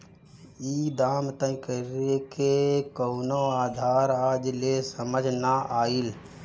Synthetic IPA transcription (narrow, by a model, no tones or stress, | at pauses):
iːd̪aːmt̪ə̃nkəɾekekoːnoaːd̪ʱaːɾaːd͡ʒlesəməd͡ʒʱnaʔaːil